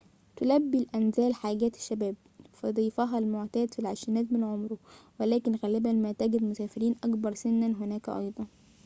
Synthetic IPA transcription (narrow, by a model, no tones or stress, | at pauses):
t̪ʊlæbːilʔænzæːlħaːɡæːt̪ɪ̥ʃːæbæːb̚ | fæd̪ˤiːfɑɦɑlmoʕt̪æːd̪filʕaʃɪnæːt̪mɪnʕomɾʊwelæːkɪnɣæːlɪbænmæːt̪æɡɪd̪mʊsæːfɪɾiːnʔɑkbɑɾˤsɪnːænɦʊnæːkæʔɑ̰jd̪ˤɑn